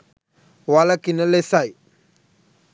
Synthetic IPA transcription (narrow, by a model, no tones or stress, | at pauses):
walakinalesaj